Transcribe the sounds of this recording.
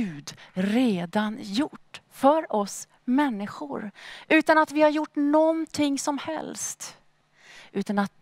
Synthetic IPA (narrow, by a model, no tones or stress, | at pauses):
ʉ̟ːd̪ɾeːd̪anjʊʈːfœɾɔs | mɛnːɪɧʊɾʔʉ̟ːt̪anat̪vɪhaɾjʊʈːnɔnt̪ʰɪŋːsɔmhɛ̰lst̪ | ʔʉ̟ːt̪anat̪̚